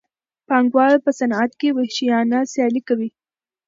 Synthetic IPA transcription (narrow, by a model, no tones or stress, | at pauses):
pɑŋɡwɑɾpəsanat̪kewehʃijɑnasjɑlikawi